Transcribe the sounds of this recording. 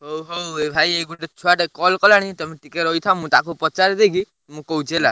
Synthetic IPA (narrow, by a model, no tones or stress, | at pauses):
ɦowɦowebʱajeɡuʈet͡ʃʰuaʈekɔlkɔlaɽ̃ĩt̪ɔmiʈikeɾɔijt̪ʰãmũt̪akupɾɔt͡ʃaɾd̪eɡi | mũkout͡ʃʰela